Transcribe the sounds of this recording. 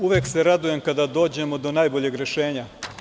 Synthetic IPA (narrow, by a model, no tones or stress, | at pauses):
uʋeːkseɾad̪uje̞mkad̪ad̪o̞ːd͡ʑe̞mo̞d̪o̞naːjboʎe̞ɡɾe̞ʃe̞ːɲa